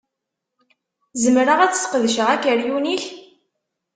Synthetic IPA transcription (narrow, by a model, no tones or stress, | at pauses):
zəmɾəʁæt͡ssqəðəʃəʁækːəɾjuniç